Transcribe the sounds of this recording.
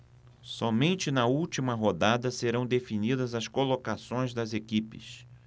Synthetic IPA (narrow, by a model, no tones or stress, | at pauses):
sɔmẽnt͡ʃɪnɐut͡ʃimɐɦod̪ad̪ɐseɾɐ̃w̃d̪efinid̪ɐzɐskolokasõj̃zd̪ɐzekipɪ̰s